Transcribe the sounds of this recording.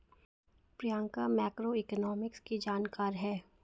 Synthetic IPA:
pɾijãːŋkamɛːkɾoɪkənɔːmɪkskid͡ʒaːnkaːɾɦɛː

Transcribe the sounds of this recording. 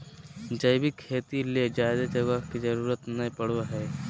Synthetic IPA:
d͡ʒəjbɪkʰːeːt̪iled͡ʒaːd̪ad͡ʒɐɡakid͡ʒɐɾuːɾət̪nɐpɐɽ̤waɦɛː

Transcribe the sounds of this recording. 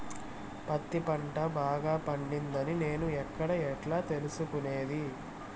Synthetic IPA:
pɐt̪ːipɐɳʈɐbaːɡaːpɐɳɖind̪ɐnine̞ːnuɛkːɐɽɐɛʈlaːt̪e̞lusukuneːd̪i

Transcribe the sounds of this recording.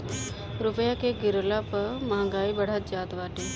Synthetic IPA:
ɾʊpəjakeɡɪɾlapəmaãŋɡaːibɐɽ̤at̪̚d͡ʒaːt̪ʋaːʈeː

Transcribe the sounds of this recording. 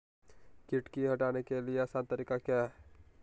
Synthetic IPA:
kiʈkiɦɐʈaːnekelieəsaːnt̪əɾikaka

